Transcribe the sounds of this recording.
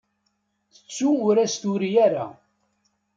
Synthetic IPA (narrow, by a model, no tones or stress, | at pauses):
θə̥t͡sːuʊɾæst̪ʊɾijæɾa̰